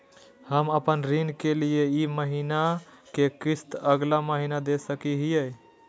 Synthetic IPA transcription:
həməpənɾinkelieiməɦinakekɾist̪əɡlaməɦinad̪esəkiɦijəj

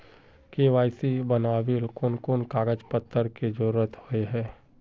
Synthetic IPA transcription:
keːʋaːɪsibənaːʋilkʊnkʊnkaːɡəd͡ʒpət̪ʰːəɾked͡ʒəɾuːɾət̪hoeɦɛː

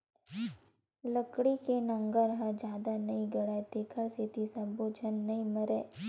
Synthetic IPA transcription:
ləkɽikenɐ̃ŋɡəɾɦɐɾd͡ʒjaːd̪anɐĩɡɐɽaet̪eːkʰəɾset̪isɐbod͡ʒʰʱɐnːɐĩmɐɾeː

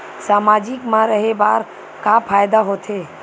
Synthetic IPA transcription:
saːmad͡ʒikmãɾəɦebaɾ | kapʰajd̪aɦot̪ʰe

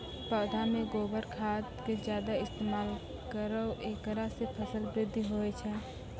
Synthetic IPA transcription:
pəːd̪ʱameɡobəɾkʰat̪ked͡ʒjad̪aɪst̪emal | kəɾəʔekɾasepʰəsəlbɾɪd̪ʱːiɦoɛt͡ʃʰɛ

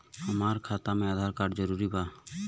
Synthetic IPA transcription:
ɔmaɾkʰat̪amɛad̪ʱaɾkaɖd͡ʒɔɾuɾiba

